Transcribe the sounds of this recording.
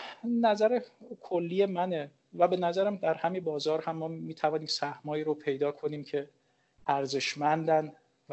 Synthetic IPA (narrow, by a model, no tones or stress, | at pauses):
næzæɾekʰolːijemæne | væbe̞næzæɾæmd̪æɾhæminbɒːzɒːɾhæmːɒːmiːt̪ʰævɒːniːmsæhmɒːiːɾopʰe̞jd̪ɒːkʰo̞niːmcʰe̞ | ʔæɾze̞ʃmænd̪æn